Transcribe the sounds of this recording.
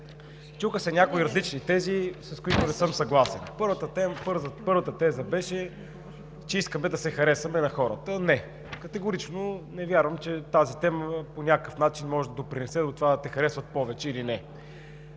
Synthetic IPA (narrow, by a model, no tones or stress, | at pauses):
t͡ʃuxəsɛnʲakoiɾɐzlit͡ʃnit̪ɛzisɐskoit̪onɛsɤmsɐɡlˠasɛnpɤɾvət̪ət̪ɛmpɤɾzpɤɾvət̪ət̪ɛzəbɛʃɛ | t͡ʃɛiskəmɛd̪ɐsɛxɐɾɛsɐmɛnɐxɔɾət̪ənɛ | kɐt̪ɛɡʊɾit͡ʃnonɛvʲjaɾvəmt͡ʃɛt̪azit̪ɛməponʲakəkəfnat͡ʃinmɔʒɛd̪ɐd̪opɾinɛsɛd̪ot̪ovad̪ɐt̪ɛxɐɾɛsvət̪̚pɔvɛt͡ʃɛilinɛ